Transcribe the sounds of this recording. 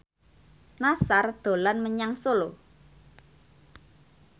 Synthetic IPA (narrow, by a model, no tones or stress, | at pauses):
nasard̪̥o̤lanməɲaŋsolo